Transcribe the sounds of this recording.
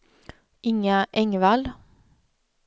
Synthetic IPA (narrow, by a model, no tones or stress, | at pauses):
ʔɪŋəʔɛŋʋɑːl